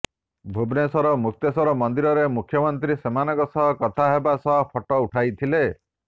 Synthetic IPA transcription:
bʱubnesɔɾɔmuk̚t̪esɔɾɔmɔnd̪iɾɔɾemukʰjɔmɔnt̪ɾisemanɔkɔsɔɦɔkɔt̪ʰaɦebasɔɦɔpʰɔʈɔuʈʰajt̪ʰile

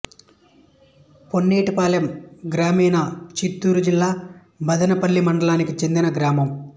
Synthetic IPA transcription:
ponːeːʈipaːljɐmɡɾaːmiːnɐt͡ʃit̪ːuːɾud͡ʒilːaː | bɐd̪ɐnɐpɐlːimɐɳɖɐlaːnikit͡ʃe̞nd̪inɐɡɾaːmɐm

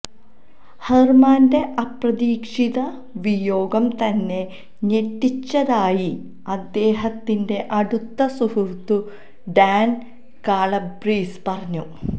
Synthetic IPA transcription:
hɐrmaːnde̞ʔɐprɐðiːkʂiðɐ | ʋijo̞ːɡɐmt̪ɐnːe̞ | ɲe̞tːit͡ɕːɐðaːji | ɐd̪ːe̞ːɦɐt̪ːinde̞ʔɐɽut̪ːɐsuhurt̪ːu | ɖaːn | kaːɭɐbriːspɐrɐɲːu

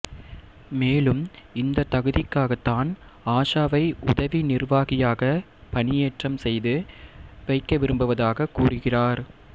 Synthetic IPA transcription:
meːlɯmɪnd̪ɐt̪ɐɣɯðɪkːaːɣɐt̪ːaːn | aːʂaːʋɐɪʔʊ̰ðɐʋinɪrʋaːɣɪjaːɣɐ | pɐnɪjeːʈrɐmsɛjðɯʋɐɪkːɐʋɪɾɯmbɯʋɐðaːɣɐkuːrɯɣɪraːɾ

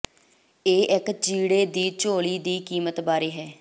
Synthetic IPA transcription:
eːʔɪkt͡ʃiːɽeːd̪iːt͡ʃoːɭiːd̪iːkiːmət̪baːɾeːɦɛː

